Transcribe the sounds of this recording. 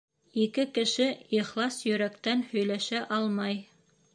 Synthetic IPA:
ikɘkɘ̆ʃɘiχlˠɑsjɵ̆ɾækt̪ænhɵ̆jlæʃæʔɑlˠmɑj

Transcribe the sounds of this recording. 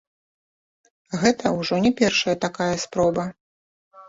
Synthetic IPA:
ɣɛt̪ʰɐuʐɔnʲɛpʲɛrʂɐjɐt̪akajɐspɾɔbɐ

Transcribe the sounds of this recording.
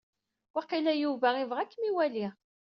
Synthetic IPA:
wæqilæjuvæivʁækːmiwæliʁ

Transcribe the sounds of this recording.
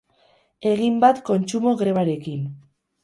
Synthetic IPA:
e̞ɣimbat̪ko̞nt͡ʃumo̞ɣɾe̞βaɾe̞kin

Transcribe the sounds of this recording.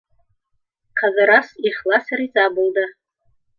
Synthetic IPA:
kʰazaɾasiχlasaɾit͡sʼabɨlda

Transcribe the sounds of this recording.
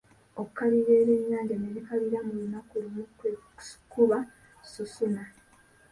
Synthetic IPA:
okukːaliɾeːɾe̞ɲːaːɲɟaneβikaβiɾamulunakulumukwe̥kuβa | susuna

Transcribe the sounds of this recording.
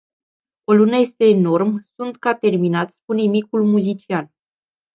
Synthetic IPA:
o̞lunəje̞st̪e̞ːno̞rmsunt̪kat̪e̞rminat̪ʲspunemikulmuzit͡ʃian

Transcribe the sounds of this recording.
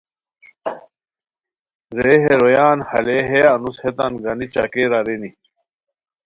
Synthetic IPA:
zeːɦeɾojaːnhɐ̰leɦeɐnushet̪anɡanit͡ɕa̰keːɾaɾeni

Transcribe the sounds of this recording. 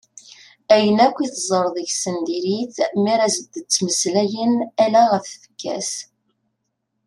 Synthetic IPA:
æjənækʷːiθzˤəɾˤðˤəʝsənd̪iɾiθmiɾæzəd̪ət͡sːməslæjənælæʁəθfə̥kːæ̰s

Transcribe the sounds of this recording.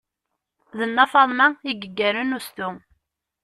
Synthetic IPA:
ðənːɑfɑðˤmæiɡəɡːæɾənust̪u

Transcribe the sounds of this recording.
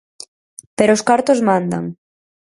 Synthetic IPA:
peɾoːskaɾt̪ozmãnd̪a̰ŋ

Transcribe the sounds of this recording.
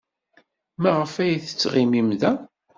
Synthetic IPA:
mæʁəfæjθə̥t͡sːʁimimðæ

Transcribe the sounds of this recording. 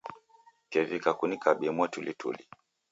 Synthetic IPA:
kɛvikakunikaɓimwatulitʰṵli

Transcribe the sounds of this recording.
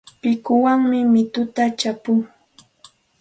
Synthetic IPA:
pɪkʊwaŋmɪmɪt̪ʊt̪at͡ʃapʊŋ

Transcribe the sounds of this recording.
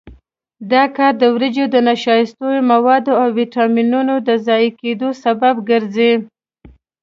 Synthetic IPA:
d̪ɑkɑɾd̪əwɾəd͡ʒod̪ənaʃɑjɪst̪ojomawɑd̪oawwiʈɑminunod̪əzɑjked̪osababɡəɾzi

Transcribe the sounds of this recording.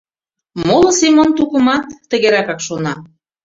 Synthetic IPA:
molɤ̆simont̪ukə̆mɑt̪ːə̆ɣeɾækɑkʃonɑ

